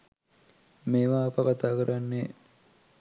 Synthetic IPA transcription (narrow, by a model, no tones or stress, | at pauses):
meːʋaːpəkat̪aːkəɾʔanːe